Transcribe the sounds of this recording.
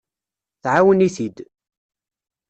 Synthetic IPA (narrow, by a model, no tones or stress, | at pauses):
θʕawəniθid̪